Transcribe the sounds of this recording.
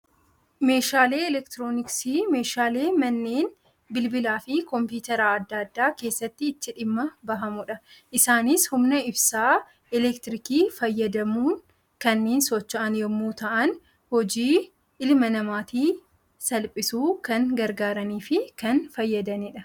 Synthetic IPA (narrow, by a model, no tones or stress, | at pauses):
me̞ːʃaːleːɛlɛkt̪ɪɾoːnɪksiːme̞ːʃaːle̞ːmɐnːeːn | bɪlbɪlaːfɪkɔmpjuːt̪ɐɾaɐd̪ːɐd̪ːaːke̞ːsːɐt̪ːɪːt̪ːɪᶑɪmːɐbɐɦɐmʊᶑɐʔɪsaːnɪshʊmnɐɪbsaː | ɪlɛkt̪ɪɾɪkiːfɐjːɐd̪ɐmuːŋ | kɐnːeːnsɔt͡ʃːɐʔɐnjɔmːuːt̪ɐʔɐn | hɔd͡ʒiː | ɪlmɐnɐmaːt̪iː | sɐlpʼɪsuːkɐŋɡɐɾɡaːɾɐniːfɪkɐnfɐjːɐd̪ɐniːᶑɐ